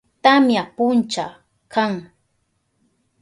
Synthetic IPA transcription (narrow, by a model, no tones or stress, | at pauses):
t̪amjapʊnt͡ʃa | kaŋ